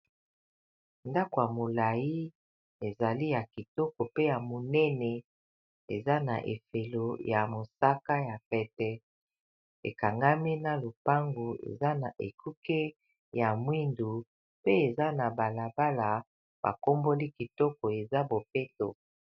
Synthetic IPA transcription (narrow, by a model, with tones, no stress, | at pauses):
nda˦ko˨ja˨mo˨la˨ji˦ | e˨za˨li˦ja˨ki˨tɔ˦kɔ˨pe˦ja˨mo˨nɛ˦nɛ˨ | e˨za˦na̰˨ʔḛ˨fe˨lo˨ja˨mo˨sa˦ka˦ja˨pɛ˨tɛ˦ | ḛ˨ka˨ŋɡa˦mi˦na˨lo˨pa˦ŋɡu˨ḛ˨za˦na˨ʔḛ˨kʰu˦ke˦ | ja˨mwi˦ndu˨ | pe˦e˨za˦na˨ba˨la˨ba˦la˨ | b̥a̰˨ko˦mbo˦li˦ki˨tɔ˦kɔ˨e˨za˦bo˨pe˦to˨